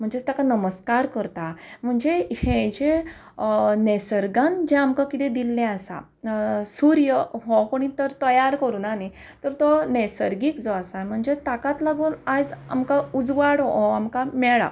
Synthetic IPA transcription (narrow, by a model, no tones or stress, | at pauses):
m̤əɳd͡zet͡st̪akanəməskaɾkəɾt̪am̤əɳd͡zehẽd͡ʑe | nɛsəɾɡãnd͡ʑɛ̃amkakit̪ɛ̃d̪ilːɛ̃asa̰ | suɾjəɦɔkoɽ̃it̪əɾt̪əjaɾkəɾuːnani | t̪əɾt̪ɔnɛsəɾɡiːkd͡zɔasam̤əɳd͡zet̪akat̪laɡuːnad͡za̰mkaud͡zʋaɽɔamkamɛɭa̰